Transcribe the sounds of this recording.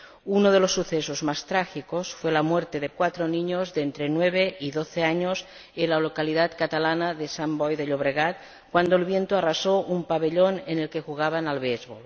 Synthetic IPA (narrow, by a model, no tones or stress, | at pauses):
unoðelosːuθesozmast̪ɾaxikosfwelamweɾt̪eðekwat̪ɾoniɲozðent̪ɾenweβ̞eiðoθeaɲos | enlalokaliðat̪kat̪alanaðesambɔjðeʎoβ̞ɾeɣat̪̚ | kwand̪oelβjent̪oarasoʔumpaβeʎonenelkexuɣ̞aβanalβezβol